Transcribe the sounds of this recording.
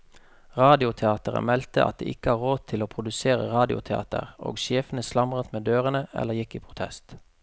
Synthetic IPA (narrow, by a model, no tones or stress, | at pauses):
ʁɑːd̪ɪʊt̪ʰɛɑːt̪əʁə̰mɛlt̪əʔɑ̰t̪̚d̪ḛːʔɪkəɑːʁʁoːd̪̚t̪ʰɪloːpʰʁʊd̪ʉseːʁə̰ʁɑːd̪ɪʊ̰t̪ʰɛɑ̰ːt̪ə̰ʁo̰ːɡʃeːfənəslɑmʁət̪meːd̪øːʁənəɛ̰lːəʁjɪkːiːpʰʁʊt̪ʰɛ̰st̪